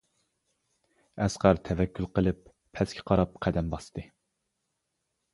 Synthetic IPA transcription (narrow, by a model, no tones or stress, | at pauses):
ɛsqæɾt̪ʰɛvɛkʲːylˠqəlˠɨpʰː | ɛskʲʰɛ̥qʰɑɾɑp̚qʰæd̪ɛmbɑst̪ɨ